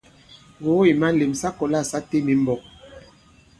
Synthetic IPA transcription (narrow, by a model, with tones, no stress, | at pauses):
ɣo˨˦i˨ma˦le˨msa˦kɔ˨la˦˨sa˦te˦mi˨m˦bɔ˨k̚